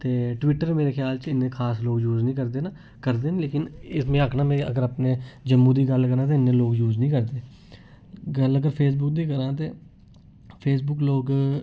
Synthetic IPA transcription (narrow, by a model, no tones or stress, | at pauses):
t̪eːʈʋɪʈːəɾmeːɾeːkʰjaːlt͡ʃɪnːẽːkʰaːsloːɡjuːznĩːkəɾd̪eːna | kəɾd̪eːnːleːkɪnɪsmẽːəkʰnãːmẽːə̰ɡəɾaːpneːd͡ʒəmːũːd̪iːɡəlkəɾãːt̪̬eːɪnːẽːloːɡjuːznĩːkəɾd̪eː | ɡələɡəɾpʰeːs̬bʊk̚d̪iːkəɾãːt̪eː | pʰeːs̬bʊkloːɡ